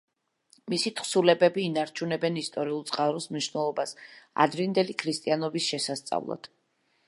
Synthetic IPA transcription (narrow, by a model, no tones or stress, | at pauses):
misit̪ʰχsulɛbɛbiːnaɾt͡ʃʰunɛbɛnist̪ʼɔɾiulˠt̪sʼqʼaɾɔsmniʃvnɛlˠɔbasa̰d̪ɾind̪ɛlikʰɾist̪ʼianɔbisʃɛsast̪sʼa̰vlˠa̰d̪̥